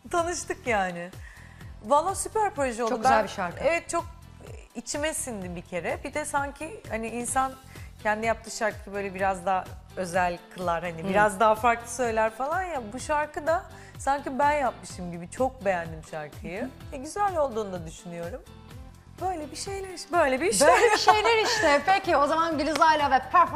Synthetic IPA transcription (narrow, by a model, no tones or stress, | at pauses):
t̪ʰanɯʃt̪ʰɯkjaːnɪ | valˠːasypæɾpɾo̞ʒɛolˠduiʃaɾkevɛt̪̚t͡ʃʰo̞k̚ | it͡ʃʰimesind̪ibicʰe̞ɾɛbid̪ɛsaɲcʰihaniinsan | cʰɛnd̪ijap̚t̪ʰɯːʃaɾkʰɯjɯbø̞jlʲɛbiɾazd̪aɦø̞zælʲkʰɯlˠaɾhanibiɾazd̪aɦafaɾklˠɯ̥sø̞jlʲæɾfalˠanjabuʃaɾkʰɯd̪a | saɲcibænjap̚mɯʃɯmɟibit͡ʃʰo̞k̚be̞jænd̪imʃaɾkʰɯjɯvɛɟyzælʲo̞lˠd̪uːnd̪ad̪yʃynyjo̞ɾum | b̥ø̞jlʲebiʃe̞jlʲeɾiʃbøjlʲebiʃølebʃejlʲeɾiʃt̪ɪpecio̞zamanɡɯlʲizajlʲˠavɛpʰɛp